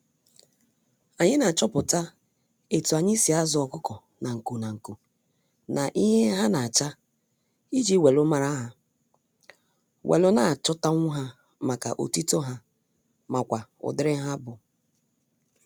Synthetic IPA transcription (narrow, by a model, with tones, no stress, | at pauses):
a˨ɲɪ˦na˨t͡ʃɔ˦pʊ˨ta˦ | e˨tu˨a˨ɲɪ˦si˨a˦zʊ˨˦ɔ˨kʊ˦kɔ˨ | na˨ŋ̩˨ku˨na˨ŋ̩˨ku˨ | na˨ʔi˦ɦe˦ɦa˦na˨a˨t͡ʃa˦ | i˦d͡ʒi˦we˨lʊ˦ma˨ɾa˦ɦa˨ | wʔḛ˨lʊ˦na˨a˨t͡ʃʊ˦ta˦ŋʷʊ˦ɦa˦ | ma˨ka̰˨ʔo̰˨ti˦to˦ɦa˦ | ma˨kʷa˨ʊ̰˨dɪ˦ɾɪ˦ɦa˦bʊ˨